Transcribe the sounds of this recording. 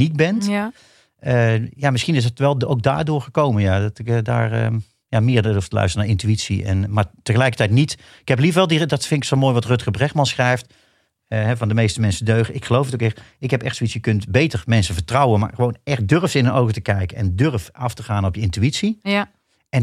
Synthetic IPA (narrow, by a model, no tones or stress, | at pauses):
nit̚bɛnt | əjamɪsχinɪsətʋɛlˠowk̚da̰ːɹdʊːɹχəkowmənjadɑtɪkda̰ːɹə̰ | jamɪːɹduftəlœ̰ɥstrənaːɹɪntyitsḭɛ̰nmaːɹtəɣəlɛjkətɛjtnit | ɪkhɛp̬livəɹʋɛlˠdidɑtfɪnɪksomoːjʋɑtrøtχəbrɛχmɑnsχrɛjft | ɦɛvɑndəmejstəmɛnsədøɥχəɪkχəlowfətowkɛxɪkɦɛpɛxtsoitsjəkɵntbejtərmɛnsəvəɹtrɑwənma̰ːɹχəʋownɛχt̚døɹftɪnənowɣətəkɛjkənɛ̰ndørfɑftəχaːnɔpjəɪntyitsi | ʔɛn